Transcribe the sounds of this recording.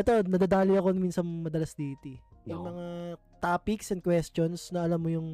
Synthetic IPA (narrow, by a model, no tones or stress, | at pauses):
ʔɛt̪o̞nɐd̪ad̪aːlɪɐko̞nɐminsɐŋmɐd̪ɐlɐsd̪iːt̪i | jʊŋmɐŋa | t̪aːpiksɐn̚kwɛst̪onsnɐɐlɐmːojʊŋ